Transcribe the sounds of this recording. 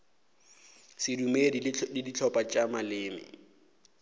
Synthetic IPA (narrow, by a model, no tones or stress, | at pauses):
sɪdumeddidit͡ɬʰɔpʼat͡ʃʼamalɪːmɪ̰